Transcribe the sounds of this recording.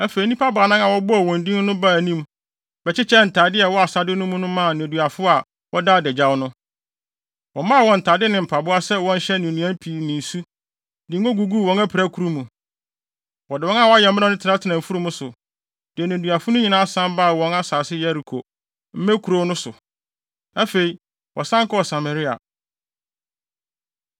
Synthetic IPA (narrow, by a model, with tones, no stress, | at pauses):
æ˦fe˨i˨˦nĩ˦pʰa˦ba˨nã˦ŋa˨wɔ˦bʊ˦a˨wɔ̃˨ndĩ˦n˦nʊ̃˦ba˦˨nĩ˦m | bɛ˨t͡ɕʰɪ˦t͡ɕʰɛ˦n̩˨tʰaː˨dɪ˦ɛ˨wɔ˦a˨sa˨dɪ˦nʊ̃˦mʊ̃˦nʊ̃˦mã˦˨nɪ̃˨du˨a˨fʊ˦a˨ | wɔ˦da˦˨dɛ˨d͡ʑa˦wnʊ̃˦ | wɔ̃˨mã˦˨wɔ̃˨n̩˨tʰaː˨dɪ˦nɪ̃˨m̩˨pʰa˨bʊ˦a˦sɛ˦wɔ̃˦n̩˦ɕɛ˦nɪ̃˨nũ˨˦æ̃˦m˦pʰi˨nɪ̃˨n̩˨su˦ | dɪ̃˨ŋ˦ɡo˦ɡu˨ɡu˦˨wɔ̃˨ŋæ˦pʰɾæ˦kʰu˨ɾu˦mũ˨ | wɔ˨dɪ˨wɔ̃˦ŋa˦wɔ˦a˦jɛ˨m˦m˦nã˦nʊ̃˦tʰa˦tʰɪ˨nã˨m̩˨fu˦ɾu˦mʊ̃˦sʊ˨ | d̥ɪ˨ɛ˨ñ˨du˨a˨fʊ˦nʊ̃˦ɲĩ˨nãː˦a˦sã˦mba˦˨wɔ̃˦na˦saː˨sɪ˦jɛ˦ɾi˨kʰo̰˨ | m̩˦mæ̃˦kʰu˨ɾo˦nʊ̃˦sʊ˨ | a˦fe˨i˨ | wʔɔ˨sã˦ŋkɔ˦˨sa˨ma˨ɾɪ˦a̰˨